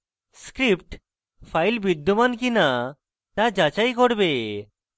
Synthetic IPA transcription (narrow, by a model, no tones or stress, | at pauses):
skɾipʈ | fʰajlbid̪ʱːumankina | t̪ad͡ʑat͡ɕajkoɾbe